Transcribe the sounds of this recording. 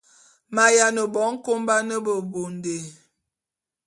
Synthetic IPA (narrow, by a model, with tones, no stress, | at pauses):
ma˨ja˨nə˨bɔ˨˦ŋ̩˦ko˦mba˦nə˦bə˨bo˨nde˨